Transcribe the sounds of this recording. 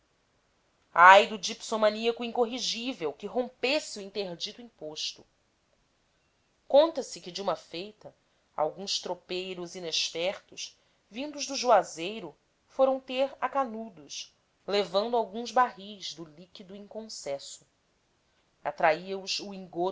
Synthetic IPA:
ajd̪ʊd͡ʒipsomɐ̃niɐkʊĩŋkoɦiʒivewkɪɦõmpesɪuĩnt̪eɾd͡ʒit̪uĩpoʃt̪ʊ | kõnt̪ɐsɪkɪd͡ʒɪũmɐfejt̪ɐ | a̰wɡũʃt̪ɾopejɾʊzineʃfɛχt̪ʊʃ | vĩnd̪ʊʒd̪ʊʒuazejɾʊ | foɾɐ̃w̃t̪eɾakanud̪ʊʃ | levɐ̃nd̪ʊawɡũzbaɦizd̪ʊlikid̪ʊĩŋkõsɛsʊ̥ | at̪ɾaiɐuzuĩŋɡo

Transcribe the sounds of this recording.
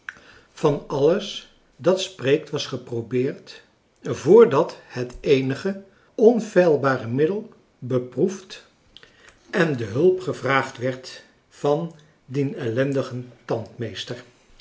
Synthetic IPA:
v̥ɑnɑləs | dɑtsprejk̚tʋɑsχəprobɪːɹt | vʊːɹdɑthətejnəχə | ɔnv̥ɛjlˠbaːrəmɪdəlˠ | bəpruft | ʔɛndəɦɵlˠpχəvraːχtʋɛɹt | fɑn | dinɛlɛndəχəntɑntmejstəɹ

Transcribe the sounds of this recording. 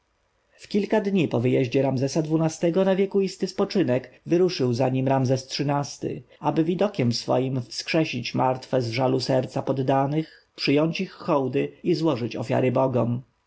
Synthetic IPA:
fkʲilkad̪ɲipɔvɘjɛʑd͡ʑɛɾamzɛsad̪vunast̪ɛɡɔnavʲjɛkuist̪ɘspɔt͡ʂɘnɛkvɘɾuʂɘwzaɲimɾamzɛstʂɘnast̪ɘ̰ | abɘvʲid̪ɔkʲɛmsfɔ̰jimfskʂɛɕit͡ɕmaɾt̪fɛzvʐalusɛɾt̪sapɔd̪ːanɘx | pʂɘjɔɲt͡ɕixːɔwd̪ɘizwɔʐɘt͡ɕɔ̰fʲja̰ɾɘbɔɡɔm

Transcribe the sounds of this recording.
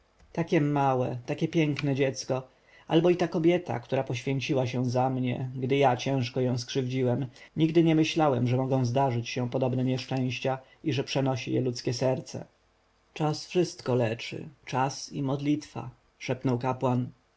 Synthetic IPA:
t̪akʲɛmawɛt̪akʲɛpʲjɛŋknɛd͡ʑɛt̪skɔ | a̰lbɔit̪akɔbʲjɛt̪a̰kt̪uɾapɔɕfʲjeɲt͡ɕiwaɕɛzamɲɛ̰ɡd̪ɘjat͡ɕɛ̃w̃ʂkɔjɔ̃w̃skʂɘvd͡ʑiwɛmɲiɡd̪ɘɲɛmɘɕlawɛmʐɛmɔɡɔ̃w̃zd̪aʐɘt͡ɕɕɛ̃pɔd̪ɔbnɛɲɛʂt͡ʂɛ̃j̃ɕt͡ɕa | iʐɛpʂɛnɔɕḭjɛ̰lut̪skʲɛsɛɾt̪sɛ̰ | t͡ʂasfʂɘst̪kɔlɛt͡ʂɘ̰t͡ʂasimɔd̪lʲit̪fa̰ | ʂɛpnɔwkapwan

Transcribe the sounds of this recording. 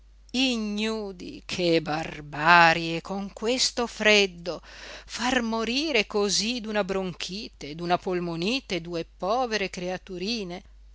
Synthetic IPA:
iɲːuːd̪ḭkʰebarbaɾjekoŋkwest̪ofɾɛd̪ːofarmoɾiːɾekozid̪unabɾoŋkʰiːt̪ed̪unapolmoniːt̪ed̪uepɔːveɾekɾeat̪uɾiːne

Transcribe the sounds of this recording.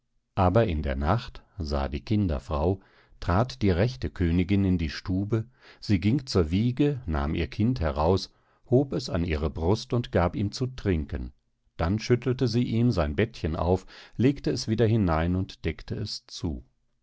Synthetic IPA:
ʔaːbɐɪndḛːɐnaχtza̰ːdiːkʰɪndɐ̰fʁ̥aʊ | tʁ̥aːtd̥iːʁɛçtəkʰøːnɪɡɪnɪndiːʃtuːbə | z̥iːɡɪŋt͡suːɐviːɡəna̰ːmḭːɐkʰɪnthɛʁaʊs | hoːpɛsa̰nʔḭːʁəbʁʊstʊntɡ̥aːpiːmt͡sutʁ̥ɪŋkən | d̥anʃʏtl̩təziːʔiːmzaɪnbɛtçənʔa̰ʊfleːktəɛsv̥iːdɐɦɪnaɪnʊntd̥ɛktʰəɛst͡sṵː

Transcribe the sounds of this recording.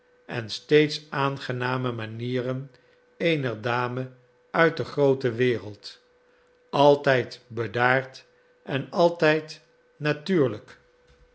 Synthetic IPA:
ʔɛ̰nstejtsaːnχənaːməmaniːɾən | ejnəɹdaːmə | œɥt̚dəχrowtəʋɪːʁəlˠt | ɑlˠtɛjtbədaːɹt | ɛnɑlˠtɛjt | natyːɹlək

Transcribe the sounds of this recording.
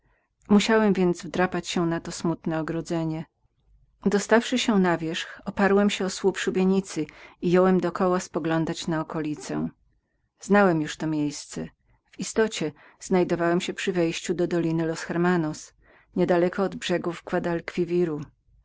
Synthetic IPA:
muɕawɛmvʲjɛnd̪zvd̪ɾapat͡ɕɕɛnat̪ɔsmut̪nɛɔɡɾɔd̪zɛɲɛ | d̪ɔst̪afʂɘɕɛnavʲjɛʂxɔpaɾwɛmɕɛɔswupʂubʲjeɲit̪sɘijɔwɛmd̪ɔkɔwaspɔɡlɔnd̪at͡ɕnaɔkɔlʲit̪sɛ̃ | z̥nawɛmjuʂt̪ɔmʲjejst̪sɛ | v̥ist̪ɔt͡ɕɛ | z̥najd̪ɔvawɛmɕɛpʂɘvɛjɕt͡ɕud̪ɔd̪ɔlʲinɘlɔsxɛɾmanɔs | ɲɛd̪alɛkɔːd̪bʐɛɡuvɡvad̪alkfʲivʲiɾu

